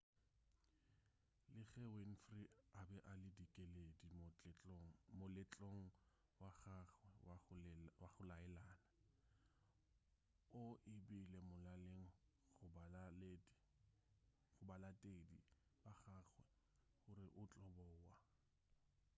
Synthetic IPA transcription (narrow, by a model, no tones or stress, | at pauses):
lɪɣɛwen̩friabɛʔalɪdikʼeledi | mʊlɪt͡ɬʼoŋ̩ | waχaχwɛawaχʊlaɛlaːna | ʊʔɪbɪlemʊlaleŋ̩ | χʊb | χʊbalatʼedibaχaːχwɛ | χʊɾɪʔʊt͡ɬʼɔbɔwa